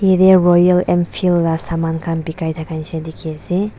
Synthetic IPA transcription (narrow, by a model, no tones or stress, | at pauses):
iɾeɾɔjalempʰilɾasamankʰanbikajt̪ʰakajsedikʰiase